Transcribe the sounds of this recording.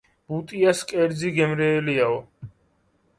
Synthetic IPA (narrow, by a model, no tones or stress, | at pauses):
b̥ut̪ʼiaskʼɛɾd̪ziɡɛmɾɛːliaɔ